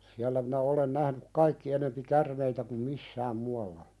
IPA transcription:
siælːæ minæ olen næhnyk kɑikːi enempi kærmeitæ kum misːæːm muɑlːɑ

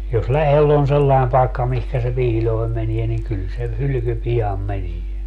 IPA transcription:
jos læhel on selːɑi̯m pɑi̯kːɑ mihkæ se piːlʲoi̯m menie ni kyl se hylyky piɑm menie

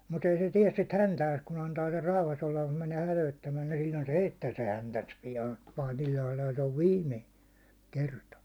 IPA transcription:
mut ei se tiɛs sit hæntæːs kun ɑntɑː ser rɑuhɑs olːɑ mut mæneː hætøitːæmæː ni sillʲoin se heitːæː se hæntæns pijɑːn pɑːtil lɑilɑlt oʋ ʋiːmːe kertɑ

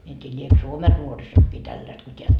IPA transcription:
mie en tʲiː liek suomen nuorisokːiː tælːæst ko tʲeæ

